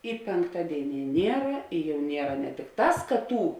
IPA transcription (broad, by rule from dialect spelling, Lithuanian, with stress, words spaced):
ɪ pʲeːŋkˈtɑːdʲeːɪˌnʲiɛ ˈnʲiɛrɐ ɪ jɛʊ ˈnʲiɛrɐ nʲɛ tʲɪkˈtɑːs kɐ ˈtuː